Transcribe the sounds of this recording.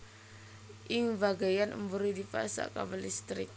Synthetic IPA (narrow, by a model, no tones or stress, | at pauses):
ʔɪŋbaɡajanʔṵmbuɾidipa̰sa̰ka̰bəlist̪ɾɪk̚